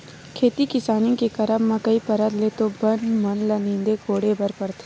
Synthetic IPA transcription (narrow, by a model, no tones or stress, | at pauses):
kʰeːt̪ikɪsaːnjõkekɐɾəmːãkɐipɐɾəd̪leːt̪obɐnmɐnlɐnĩːnd̪ekoːɽebɐɾpɐɾt̪ʰː